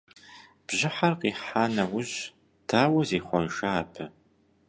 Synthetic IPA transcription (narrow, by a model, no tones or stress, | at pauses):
b̥ʑɪħarqiːħaːnɐwʊʑ | tʰaːwɐzeːχʷɔnʒaːpʰɨ